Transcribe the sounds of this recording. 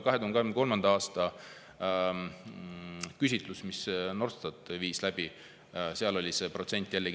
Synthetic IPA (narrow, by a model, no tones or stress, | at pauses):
kɑɦed̪uhnkɑemneko̞lmɑnd̪ɑɑːst̪ɑ | kys̬ʲit̪ˑlusmisno̞rst̪ɑt̪ˑviːslæb̥i | seɑlo̞lʲise̞pro̞t̪se̞nʲt̪ːˑjælːeɡ